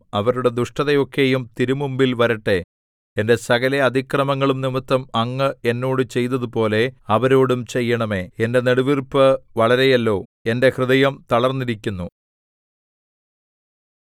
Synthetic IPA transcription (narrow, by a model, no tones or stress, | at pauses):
ɐʋɐɾuɽe̞d̪uʂʈɐðɐjo̞kːe̞jumt̪iɾumumbilʋɐɾiʈːe̞ | ende̞sɐɡɐleɐd̪ʱikrɐmɐŋːɐɭumnimɐt̪ːɐmɐŋːɨe̞nːo̞ːɽɨt͡ɕe̞jt̪ːɐðupo̞ːle̞ɐʋɐɾo̞ːɽumt͡ɕe̞jːɐɳɐme̞ende̞neɽuʋirpɨʋɐɭɐɾejɐlːo̞ːende̞krɨðɐjɐmt̪ɐɭɐrnːiɾikʲːunːu